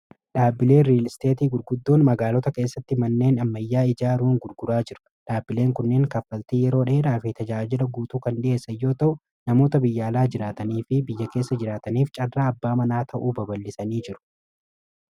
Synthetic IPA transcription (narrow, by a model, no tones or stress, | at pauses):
ᶑaːbːɪle̞ːɾiːlst̪e̞ːt̪iːɡʊɾɡʊd̪ːo̞ːnmɐɡaːlɔt̪ɐke̞ːsːɐt̪ːɪmɐnːe̞ːnɐmːɐjːaːɪd͡ʒaːɾuːŋɡʊɾɡʊɾaːd͡ʒɪɾʊ̥ | ᶑaːbːɪle̞ːŋkʊnːeːŋkɐfːɐlt̪iːjɛɾo̞ːᶑe̞ːᶑaːfɪt̪ɐd͡ʒaːd͡ʒɪlɐɡuːt̪uːkɐnᶑɪʔe̞ːsɐjːo̞ːt̪ɐʔʊ | nɐmo̞ːt̪ɐbɪjːaːlaːd͡ʒɪɾaːt̪ɐniːfɪbɪjːɐke̞ːsːɐd͡ʒɪɾaːt̪ɐniːft͡ʃʼɐrːaːɐbːaːmɐnaːt̪ʰɐʔuːbɐbɐlːɪsɐniːd͡ʒɪɾʊ̥